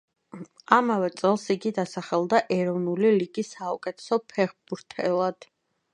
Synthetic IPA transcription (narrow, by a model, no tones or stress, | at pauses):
amavɛt̪sʼɛlˠsiɡid̪asaχɛlˠd̪aʔɛɾɔvnuliliɡisːaukʼɛt̪ʰɛ̥sɔpʰɛχbuɾt̪ʰɛlˠad̪̥